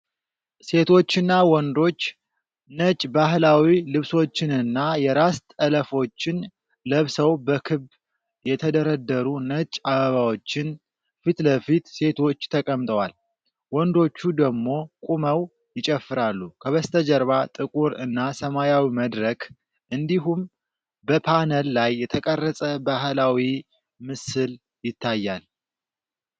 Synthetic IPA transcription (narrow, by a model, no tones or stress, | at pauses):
se̞t̪ʰo̞t͡ʃːɨnːawɔnd̪o̞t͡ʃː | nət͡ʃʼbaɦlawilɨβso̞t͡ʃːɪnɨnːajɛɾast̪ələfo̞t͡ʃːɪn | ləβsəwbəkʰɨb | jɛt̪ʰəd̪əɾəd̪ːəɾunət͡ʃʼaβəβawo̞t͡ʃːɪn | fit̪ləfit̪se̞t̪ʰo̞t͡ʃːt̪ʰəkʼəmt̪ʼəwal | wɔnd̪o̞t͡ʃːud̪əɡmo̞kʼuməw | jɪt͡ʃʼɛfːɨɾalːukʰəβəst̪ʰəd͡ʒəɾβat̪ʼɨkʼuɾɨ̰nːasəmajawiməd̪ɾək | ʔɨnd̪iɦum | bəpʰanəlːajːɛt̪ʰəkʼərːəsʼəbaɦlawi | mɨsɨl | jɪt̪ʰːajːal